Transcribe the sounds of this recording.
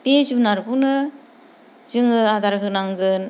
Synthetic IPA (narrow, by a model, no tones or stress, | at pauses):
pezunaɾbunɯ | zɯŋɯad̪aɾɦɯnaŋɡɯn